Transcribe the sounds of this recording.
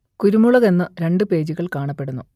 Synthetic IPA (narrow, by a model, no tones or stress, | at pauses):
kuɾumuɭɐɣe̞nːɨɾe̞ɳɖɨpe̞ːd͡ʑuɣɐɭkaːɳɐpːe̞ɽunːu